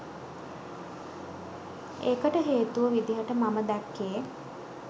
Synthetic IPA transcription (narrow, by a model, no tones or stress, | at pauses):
ekəʈəɦeːt̪uʋəʋid̪iɦəʈəmaməd̪ækːeː